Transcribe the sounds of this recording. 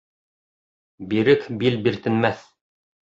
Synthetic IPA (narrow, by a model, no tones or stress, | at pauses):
biɾɘkbilbiɾt̪ɘ̆nmæθ